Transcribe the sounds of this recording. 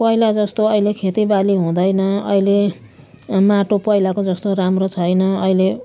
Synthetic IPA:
pʌilad͡zʌst̪oʌilekʰet̪ibaliɦũd̪ʌjnʌʌ̰ile | maʈopʌjlakod͡zʌst̪oɾamrot͡sʰʌjnʌʌile

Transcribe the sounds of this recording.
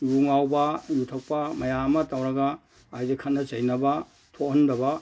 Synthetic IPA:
juŋawbɐjutʰɐk̚pɐmɐjamɐtawɾɐɡɐː | jdekʰɐnːɐt͡ʃɐjnɐbɐ | tʰohɐndɐbɐ

